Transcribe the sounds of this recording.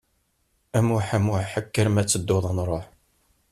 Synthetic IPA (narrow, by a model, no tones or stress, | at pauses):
æmʊħamʊʕħəkːəɾmæt͡sːəd̪ːoðˤənɾˤoħ